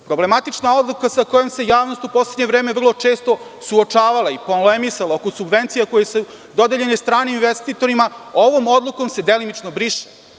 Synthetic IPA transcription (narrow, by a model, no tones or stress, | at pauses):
pɾo̞ble̞mat̪it͡ʂnao̞d̪lˠukasako̞jo̞mse̞jaːʋno̞st̪upo̞sledɲevɾe̞ːme̞ʋr̩lˠo̞t͡ʂe̞ːst̪o̞ | suot͡ʂaːʋalˠaiponlemisalaoko̞subʋe̞nt̪sijako̞jesu | d̪o̞d̪eʎe̞nest̪ɾaːneinʋest̪iːt̪o̞ɾimaoʋo̞mo̞d̪lˠuko̞mse̞d̪elimit͡ʂnobɾiʂe̥